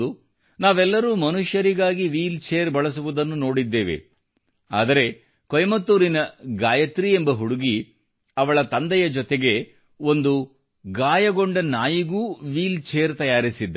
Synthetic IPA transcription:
u | naːʋɛlːɐɾuːmɐnuʃjɐɾiɡaːɡiʋiːlt͡ʃeːɐɾbɐɭɐs̬uʋud̪ɐnːuno̞ːɽid̪ːeːʋe̞̰ | a̰ːd̪ɐɾe̞ | kojmɐt̪ːuːɾinɐɡaːjɐt̪ɾiembɐɦuɽuɡi | ɐʋɐɭɐt̪ɐnd̪ɛjɐd͡ʒɔt̪eɡe̞ | o̞nd̪u | ɡaːjɐɡo̞ɳɖɐnaːjiɡuːʋiːlt͡ʃeːjɐɾt̪ɐjaːɾisid̪ː

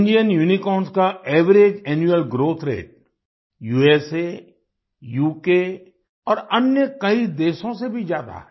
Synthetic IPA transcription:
ɪɳɖijənjuːnikɔːnskaɛːʋəɾeːd͡ʒɛːnjuəlɡɾoːt̪ʰɾḛːʈ̚ | juːeːse | juːke | ɔːɾɐnjəkɐid̪eːʃõsebʱid͡ʒjaːd̪a̰ɦɛ

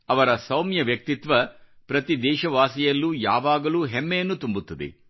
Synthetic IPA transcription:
ɐʋɐɾɐsɐwmjɐʋjɐk̚t̪it̪ʋɐpɾɐt̪id̪ɛːʃɐʋaːsijɐlːuːja̰ːʋaːɡɐluːɦɛmːejɐnːut̪umbut̪ːɐd̪ḛ

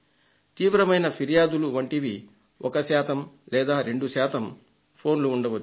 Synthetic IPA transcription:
t̪iːʋɾɐmɐjnɐpʰiɾijaːd̪uluʋɐɳʈiʋi | ɔkɐsaːt̪ʰɐmlɛːd̪aːɾe̞ɳɖuʃaːt̪ʰɐm | pʰo̞ːnluːɳɖɐʋɐt͡ʃː

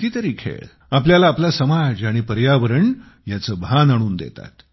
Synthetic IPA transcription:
t̪iːt̪əɾiːkʰḛɭ | apljalaːplasəmad͡zaɽ̃iːpəɾjaʋəɾəɳ | jat͡səbʱanaɽ̃uːnd̪ḛt̪a̰t̪

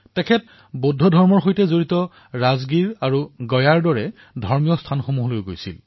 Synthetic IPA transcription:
tɛkʰɛt̚ | bodʱːɔdʱɔɹmɔɹxojtɛzoɹitɔ | ɹazɡiɹaɹuɡɔjaɹdɔɹɛ | dʱɔɹmijɔstʰanxomuɦɔlojɡojsḭl

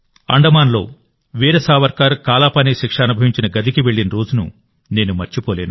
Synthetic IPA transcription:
ɐ̰ɳɖɐmaːnlo̞̰ː | ʋiːɾɐsaːʋɐɾkaːɾkaːlaːpɐniːʃikʂɐɐnubʱɐʋiɲt͡ʃinɐɡɐd̪ʱikiʋe̞ɭːinɐɾo̞ːd͡ʒunṵ | ne̞ːnumɐɾt͡ʃipoːle̞ːnu

